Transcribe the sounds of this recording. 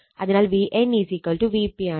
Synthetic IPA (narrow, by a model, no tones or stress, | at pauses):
ɐðɐnaːlʋiːʔeniːzikɐlʈuʋiːpia